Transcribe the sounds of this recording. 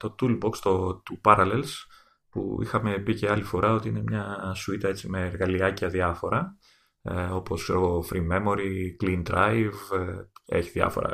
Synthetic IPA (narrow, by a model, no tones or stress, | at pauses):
t̪o̞t̪ulbo̞kst̪ot̪upɐɾɐlels | pṵḭxɐmepice̞ɐlifo̞ɾʔɐo̞t̪iine̞mɲɐsuit̪ɐe̞t͡sime̞ːɾɣɐliɐciɐðiɐfo̞ɾɐ | o̞po̞sfɾoofɾime̞mo̞ɾiklind̪ɾɐjv | ḛçiðɐ̰fo̞̰ɾɐ̰